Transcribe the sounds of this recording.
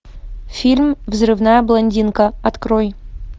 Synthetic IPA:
fʲilʲmvzrɨvnajəblˠɐnʲdʲinkəɐt̪kɾoj

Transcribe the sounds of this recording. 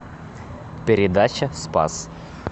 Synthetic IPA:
pʲɪɾʲɪd̪at͡ɕɐspa̰s

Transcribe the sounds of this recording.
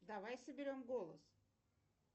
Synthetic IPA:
d̪avajsəbʲɪɾʲo̞mɡolˠə̰s

